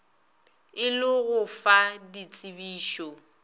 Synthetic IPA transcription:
ɪlɪɣʊfadit͡sʼɪbiːʃɔ

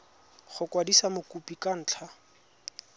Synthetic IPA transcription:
χʊkwadisamʊkupʼikan̩ːt͡ɬʰa

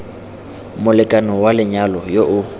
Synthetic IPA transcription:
mʊlɪkʼanɔwalɪɲalɔjoʔʊ

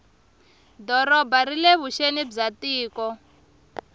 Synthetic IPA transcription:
dɔɾɔbaɾileβuʃenib͡ʐatiːkɔ

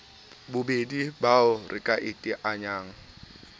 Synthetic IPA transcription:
bʊbedibaʊrʔɪkʼaʔɪtʼɪʔaɲaːŋ̩

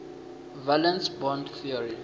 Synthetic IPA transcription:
valɛ̃nsbɔ̃ndθiɔɹi

